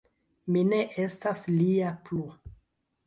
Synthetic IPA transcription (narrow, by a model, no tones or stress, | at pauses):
mine̞ʔe̞stasliaplu